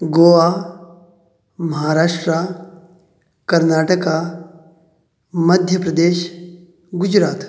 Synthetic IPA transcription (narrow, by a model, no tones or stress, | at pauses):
ɡoːʋa | mɐɦaːɾaːʂʈɾa | kɐɾnaːʈəka | mɐd̪ʱjəpɾɐd̪eːʃ | ɡʊd͡ʒɾaːt̪